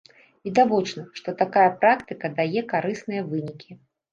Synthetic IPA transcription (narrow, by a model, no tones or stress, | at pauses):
vʲid̪avɔt͡ʂnɐʂt̪ɔt̪akajɐpɾakt̪ɨkɐd̪ajɛkaɾɨsnɨjɐvɨnʲikʲʰi